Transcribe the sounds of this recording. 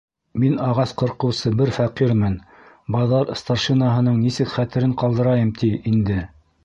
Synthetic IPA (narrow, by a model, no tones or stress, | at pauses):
minɑʁɑsqɤ̆ɾqɤ̆wsɤbɘɾfæqiɾmɘn | bɑðɑɾst̪ɑrʃinaɦɤ̆nɤɴnisɘkχæt̪ɘ̆ɾɘɴqɑlˠd̪ɤ̆ɾɑjɤmt̪ʰiind̪ɘ